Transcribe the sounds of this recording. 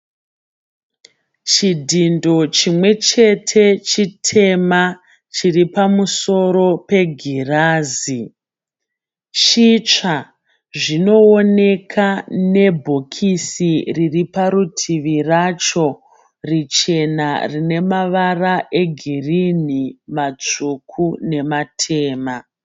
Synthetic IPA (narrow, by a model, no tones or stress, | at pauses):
t͡ʃidʱindo̞t͡ʃimwe̞t͡ʃe̞tʰe̞t͡ʃitʰe̞ma | t͡ʃiripamuso̞ɾo̞pe̞ɡʱiraːzi | t͡ʃit͡ʂa | ʐino̞ːne̞kʰane̞bʱo̞kʰisiriripaɾutʰiʋirat͡ʃo̞ | rit͡ʃe̞narine̞maʋaraʔe̞ɡʱirin̤imat͡sukʰune̞matʰe̞ːma